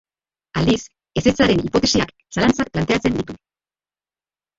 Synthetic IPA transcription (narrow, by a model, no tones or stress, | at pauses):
ald̪is | e̞se̞t͡saɾe̞nipo̞t̪e̞siak | salant͡sak̚plant̪e̞at͡se̞nd̪it̪u